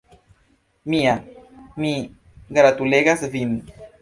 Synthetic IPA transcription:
miami | ɡaɾat̪uleɣasvin

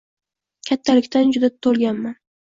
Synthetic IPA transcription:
kʲʰat̪ʰːalɪkʲt̪ʰand͡ʒʊd̪at̪ʰolˠɡʲanman

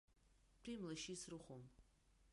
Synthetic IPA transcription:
pʰimlaʃisrɨχʷum

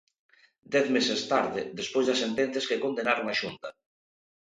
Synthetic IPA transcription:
d̪ɛθmesest̪aɾðɪðespojzðɐsent̪ɛn̟θjaskekond̪enaɾoŋaʃunt̪ɐ

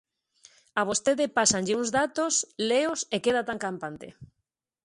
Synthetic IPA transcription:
aβ̞ost̪eðɪpasanʎɪuŋzðat̪osleosekeðat̪aŋkampant̪ɪ̰

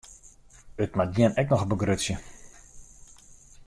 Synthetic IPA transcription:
ətmat̚ɡjiənɛknɔxəbəɡrøtsjə

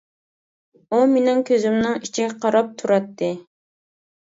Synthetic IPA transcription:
umenɪŋkʲʰøzymnɨŋit͡ʃʰiɡʲɛqʰɑɾɑp̚t̪ʰuɾɑt̪ʰːɨ

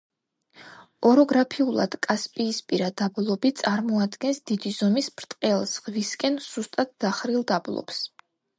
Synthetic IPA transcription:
ɔɾɔɡɾapʰiulˠa̰d̪̥kʼaspʼiːspʼiɾad̪ablˠɔbit̪sʼaɾmɔad̪ɡɛnsd̪id̪izɔmisbɾt̪ʼqʼɛlˠsʁviskʼɛnz̥ust̪ʼat̪̚d̪̥aχɾilˠd̪ablˠɔ̰ps

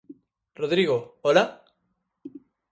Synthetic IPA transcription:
roðɾiɣoola

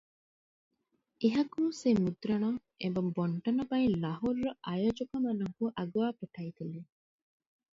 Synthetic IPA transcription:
ʔeɦɐkuːsemud̪ɾɐɳ̃oŋ | ʔḛmbɐmboɳʈɐnɐbɐinlɐɦoɾːoʔajod͡ʒokɐmɐnɐŋkuʔɐɡuʋaːpuʈʰɐit̪eli

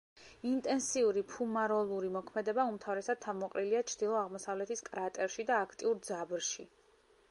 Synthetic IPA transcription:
int̪ʼɛnsiuɾipʰumaɾɔlˠuɾimɔkʰmɛd̪ɛbaumt̪ʰavɾɛsad̪̚t̪ʰavmɔqʼɾiliat͡ʃʰɾd̪̥ilˠɔaʁmɔsavlɛt̪ʰiskʼɾat̪ʼɛɾʃid̪aːkʰt̪ʼiuɾd̪zabɾʃi

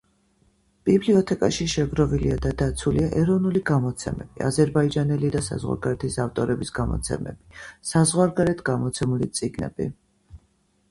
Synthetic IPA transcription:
b̥ibliɔt̪ʰɛkʼaʃiʃɛɡɾɔviliad̪ad̪at̪sʰuliaʔɛɾɔvnuliɡamɔt̪sʰɛ̰mɛb̥iʔa̰zɛɾbaid͡ʒanɛlid̪asa̰zʁwa̰ɾɡaɾɛt̪ʰisaft̪ʼɔɾɛbisɡamɔ̰t̪sʰɛ̰mɛ̰b̥isazʁwaɾɡaɾɛt̪ʰɡamɔt̪sʰɛmulit̪sʼiɡnɛ̰bḭ

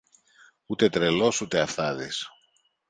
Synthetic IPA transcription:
ut̪e̞t̪ɾelo̞sut̪eɐfθɐðis

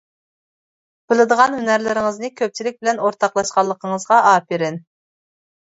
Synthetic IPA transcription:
b̥ɨlˠɨd̪əʁɑnhynæɾlɪɾɪŋɨznɨkʲʰøp̚t͡ʃʰilɪk̚ʲbɪlɛnoɾt̪ʰɑqlˠɑʃqɑlˠːəqʰəɴəzʁɑʔɑːpeɾɪn

